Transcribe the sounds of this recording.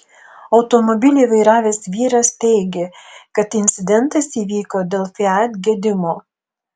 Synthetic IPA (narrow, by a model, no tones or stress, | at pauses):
ɒʊt̪ɔmɔbʲɪlʲuʋɐɪɾɑːʋʲeːsʋʲiːɾɐst̪ʲɛɪɡʲekɐt̪ɪnʲsʲɪd̪ʲɛnt̪ɐsiːʋʲiːkoːd̪ʲeːlˠfʲɪæt̪ʲɡʲiɛd̪ʲɪmoː